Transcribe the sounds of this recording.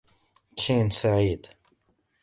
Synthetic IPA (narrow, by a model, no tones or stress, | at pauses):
kʰinsaʕiːd̪